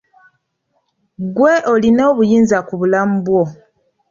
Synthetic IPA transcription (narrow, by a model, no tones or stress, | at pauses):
ɡweʔolino̞ːβujiːnzakuβulamubwo